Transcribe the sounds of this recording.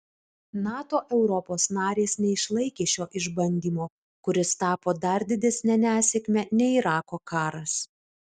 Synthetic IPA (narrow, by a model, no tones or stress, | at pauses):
nɑːt̪oːʔɛʊɾɔpoːsnɑːɾʲeːsnʲɛɪʃlˠɐɪkʲeːʃʲoːʔɪʒbɐnʲd̪ʲiːmoː | kʊɾʲɪst̪ɑːpoːd̪ɐɾd̪ʲɪd̪ʲɛsʲnʲɛnʲæːsʲɛkʲmʲɛnʲɛiɾɑːkoːkɑːɾɐs